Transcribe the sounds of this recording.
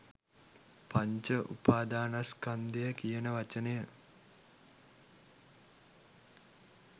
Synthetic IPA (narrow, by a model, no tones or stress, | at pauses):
paɲt͡ʃəʔupaːd̪aːnaskand̪ejəkijənəʋat͡ʃənəjə